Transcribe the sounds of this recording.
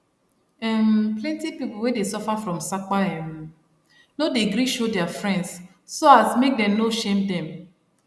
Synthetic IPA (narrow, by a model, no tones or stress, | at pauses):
ɛmplɛ̃ntipipl̩wɛdesɔfafɹɔ̃msakwaɛm | nodeɡɾiʃodɛafɹɛ̃ndsː | oasmek̚dɛ̃mnoʃẽmdɛ̃m